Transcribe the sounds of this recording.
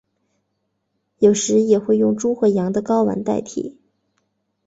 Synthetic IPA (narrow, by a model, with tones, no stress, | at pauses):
jo˨˩ʊʂɻ̩˧˥jɛ˨˩xwe˥˧ɪjʊ˥˩ŋʈ͡ʂu˥xɤ˧˥jɑ˧˥ŋd̪ə˧kɑ˥ʊwa̰˧˥nt̪a˥˩ɪt̪ʰḭ˨˩˦